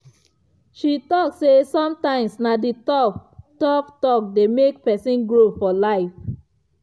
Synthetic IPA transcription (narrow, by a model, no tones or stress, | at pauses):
ʃitɔksesɔ̃mtãɪ̃msnaditɔtɔptɔk̚demek̚pɛsĩnɡɹofɔlaɪf